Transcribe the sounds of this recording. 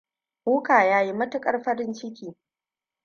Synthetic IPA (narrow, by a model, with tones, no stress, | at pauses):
ʔuː˦kaː˨jaː˦ji˦mɐ˦tʊ˦kʼɐ˦rɸɐ˦ɾɪ˦nt͡ʃɪ˦kʲiː˨